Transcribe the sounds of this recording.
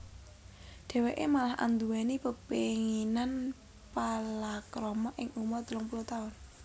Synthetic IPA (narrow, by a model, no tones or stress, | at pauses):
ɖ̥ɛ̤weʔemalaɦʔa̰nd̪uwenipəpeŋinan | palakɾɔmɔʔɪŋʔumɔd̪ulɔŋpulut̪aʊn